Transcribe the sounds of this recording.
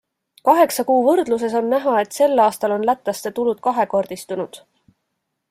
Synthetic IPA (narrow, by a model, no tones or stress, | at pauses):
kɑɦe̞ksɑkuːvɤrd̪̥lus̬e̞so̞nːæɦɑe̞t̪se̞lːɑːst̪ɑlo̞nlæt̪ˑːɑst̪e̞t̪ulud̪̥̚kɑɦe̞ko̞rd̪̥ist̪unud̪̥